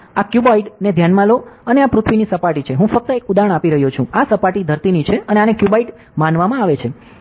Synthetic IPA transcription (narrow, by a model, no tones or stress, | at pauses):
akjubaiʈned̪ʱjanmaloəneapɾʊt̪ʰʋinisəpaʈit͡ʃʰeɦũfək̚t̪əekud̪aəɳ̃apiɾəɦjot͡ʃʰũasəpaʈid̪ʱəɾt̪init͡ʃʰeəneanekjubaiʈ | manʋamãaʋet͡ʃʰe